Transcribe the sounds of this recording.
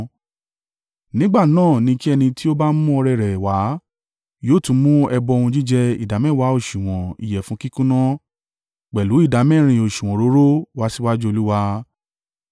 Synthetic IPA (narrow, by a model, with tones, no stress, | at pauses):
nĩ˦ɡ͡ba˦˨nãː˦˨nĩ˧ki˦ɛ˧nĩ˧ti˦o˦ba˦mũ˦ɔ˧ɾɛ˧˨ɾɛ˨wa˨˦ | joː˦˨tũ˧˦mũ˦ɛ˧bɔ˧o˧ũ˧d͡ʒi˦d͡ʒɛ˧i˨da˨˦mɛ̃˦˨wa˨˦o˦˨ʃu˨w̃ɔ̃˨ḭ˨jɛ˨fũ˨˦ki˦kũ˦nã˦ | k͡pɛ˨lu˨˦i˦˨da˨˦mɛ̃˦˨ɾ̃ĩ˧o˨ʃũ˨w̃ɔ̃˨ɾo˨˦ɾo˦wa˦si˦wa˦d͡ʒu˦o˧lu˦wa˧